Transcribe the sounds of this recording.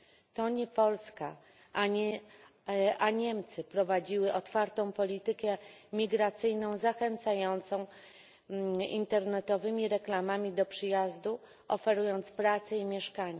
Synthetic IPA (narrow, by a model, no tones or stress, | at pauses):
t̪ɔɲɛpɔlska̰ | aɲɛ | aɲɛmt̪sɘpɾɔvad͡ʑiwɘʔɔt̪faɾt̪ɔ̃w̃pɔlʲit̪ɘkɛmʲiɡɾat̪sɘjnɔ̃w̃zaxɛnt̪sajɔnt̪sɔ̃w̃ | ḭnt̪ɛɾnɛt̪ɔvɘmʲiɾɛklamamʲid̪ɔpʂɘjazd̪u | ɔfɛɾujɔnt̪spɾat̪sɛimʲjɛʂkaɲa